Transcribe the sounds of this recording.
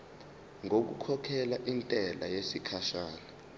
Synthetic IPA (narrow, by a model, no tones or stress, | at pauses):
ŋok̬ṵkʰɔkʰɛlaʔintʼɛlajesikʰaʃaːla